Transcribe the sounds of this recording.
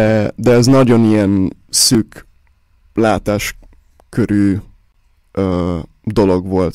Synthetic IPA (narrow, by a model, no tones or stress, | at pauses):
ɛd̪ɛɛznɒɟo̞nijɛnsyːk | laːt̪aːʃ | køɾyː | øː | d̪o̞lo̞ɡʋo̞lt̪